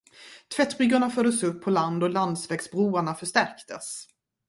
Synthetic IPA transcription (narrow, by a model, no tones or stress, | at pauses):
t̪ʰvɛt̪ːɾʏɡːaɳafœːɖ̪əsɵpʰːɔland̪ɔland̪svɛːɡsbɾuːaɳafœʂt̪æɾkt̪əs